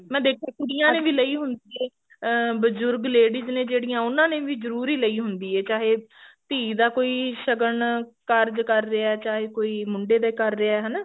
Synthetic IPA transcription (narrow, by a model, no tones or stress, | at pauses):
mɛ̃ːd̪eːkʰaːkʊɾijãːnẽːʋiːləiːɦʊnd̪iːɦɛː | bəzʊɾɡleːɖɪznẽːd͡ʒeːɽijãːʊnãːnẽːʋiːzəɾuːɾiːləiːɦʊnd̪iːɛːt͡ʃaːɦeːt̪iːd̪aːkoːiːʃəɡəɳkəɾd͡ʒkəɾːeaɛːt͡ʃaːɦeːkoːiːmʊɳɖeːd̪aːikəɾːeaːɛːɦɛːnaː